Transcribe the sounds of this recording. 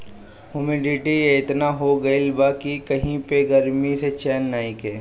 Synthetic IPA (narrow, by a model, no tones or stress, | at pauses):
ɦʊmiɖɪʈijeɪt̪naɦoɡɐɪlbaːkikɐɦĩpeɡɐɾmiset͡ʃɛːnːaːikeː